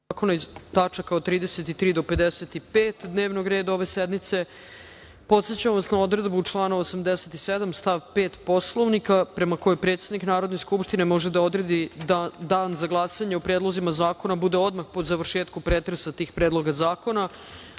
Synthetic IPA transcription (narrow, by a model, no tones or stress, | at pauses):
ko̞naizt̪at͡ʂakaot̪ɾiːd̪eset̪it̪ɾiːd̪ope̞d̪eset̪ipeːt̪d̪neːʋnoɡɾeːd̪ao̞ʋe̞sed̪mit̪se̞ | po̞t̪se̞t͡ɕamʋasnao̞d̪ɾe̞d̪but͡ʂlˠaːnoosamd̪eset̪ised̪amst̪aʋpeːt̪po̞slˠoʋnikapɾe̞mako̞jepɾet̪sed̪niknaːɾod̪neskupʃt̪inemo̞ʒed̪ao̞d̪ɾe̞d̪id̪aːnzaɡlˠasaɲeopɾeːd̪lozimazaːko̞nabud̪eo̞d̪maxpod̪zaʋr̩ʃeːt̪kupɾeːt̪ɾesat̪iːxpɾeːd̪lˠo̞ɡazaːko̞na